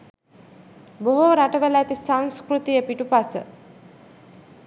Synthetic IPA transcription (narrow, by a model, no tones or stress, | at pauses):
boɦoɾaʈəʋəlæt̪isaŋskɾut̪ijəpiʈupasə̰